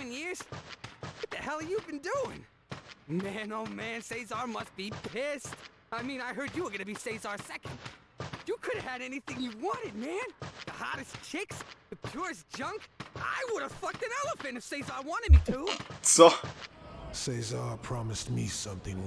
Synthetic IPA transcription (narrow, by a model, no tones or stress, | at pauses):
ɨ̃njɪɹz̥ | ʌt̪̚ðɨhɛlˠijɨvbɨ̃nduɪ̰̃ŋ | mæ̃noʊmæ̃nseɪzɑɹmʌst̚b̥ipʰɪst | aɪmĩnaɪɦɜ˞d͡ʒɨwə˞ɡʌnɨbiseɪzɑɹsɛkɨ̃nd | jɨkʰʊɾɨv̥ɨɾɛniθɪ̃ŋjɨwɑ̃ñɨd̚mæ̃nðəhɑɾɨst͡ʃʰɪksðɨpʰj̥ʊɹɨs̬d̥ʒ̥ʌ̃ŋka̰ɪwʊɾɨv̥fʌk̚tɨ̃nɛlˠəfɨ̃ntɨv̥seɪzɑɹwɑ̃ñɨd̚mitʰuso | seɪzɑɹpʰɹ̥ɑmɨst̚misʌ̃mθɪ̃ŋ